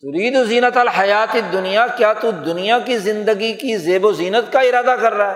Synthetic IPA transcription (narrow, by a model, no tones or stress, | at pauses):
t̪ʊɾiːd̪oziːnət̪ɐlɦɐjaːt̪ed̪ːʊnijakjaːt̪ud̪ʊnijakizɪ̃nd̪əɡikizeːboziːnət̪kaɪɾaːd̪akɐɾːaːɦɛː